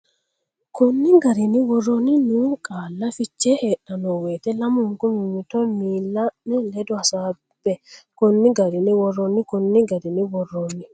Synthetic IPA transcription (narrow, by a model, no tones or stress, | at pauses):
konːiɡaɾiniwɔrːoninuːŋkʼaːlːafit͡ʃːɛhɛɗanɔwɛtɛlamuŋkumimitɔmilaɛlɛdɔasa | b̥ɛkonːiɡaɾiniwɔronikɔnːiɡaɾiniwɔrːoːni